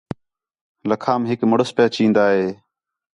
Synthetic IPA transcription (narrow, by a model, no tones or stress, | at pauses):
ləkʰaːmɦɪkməɽəspaːt͡ʃĩːnd̪aːɦeː